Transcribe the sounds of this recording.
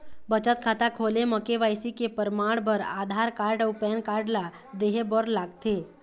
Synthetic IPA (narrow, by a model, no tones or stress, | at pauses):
bət͡ʃət̪̚kʰat̪akʰoleməkeʋajsikepəɾmaɽbʱəɾa̰d̪ʱaɾkaɾɖəwpɛnkaɾɖla | d̪eɦebəɾlaɡt̪e